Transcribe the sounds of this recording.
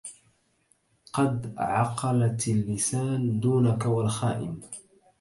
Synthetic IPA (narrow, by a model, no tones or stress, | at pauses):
qɑd̪ʕɑqɑlat̪alːɪsaːnd̪uːnakawalxaːʔɪ̰m